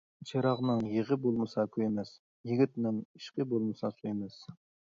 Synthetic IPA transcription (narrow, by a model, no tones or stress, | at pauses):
t͡ʃʰeɾɑʁnɨŋjeʁɪbolˠmɨsɑkʲʰøemɛs | jiɡʲit̪nɪŋiʃqɪbolˠmɨsɑsuemɛs